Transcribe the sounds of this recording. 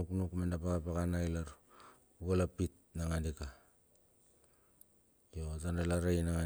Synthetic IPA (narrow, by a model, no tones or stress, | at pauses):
uknukmandapaɣapaɣanajlaɾ | uɡalapit̚ | naŋandika | jozandalaɾainaŋa